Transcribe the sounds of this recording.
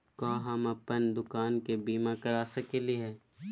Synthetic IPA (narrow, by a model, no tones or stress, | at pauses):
kãːɦɐmɐpənd̪ʊkaːnkebiːmakɐɾaːsɐkeliɦɛː